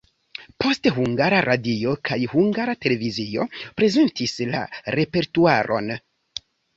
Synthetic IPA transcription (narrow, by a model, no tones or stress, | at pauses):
pʰo̞stɦuŋɡaɾaɾʔadio̞kʰajhuŋɡaɾate̞le̞vizio̞pɾe̞ze̞ntisla̰ɾe̞pe̞ɾtuaɾʔo̞̰n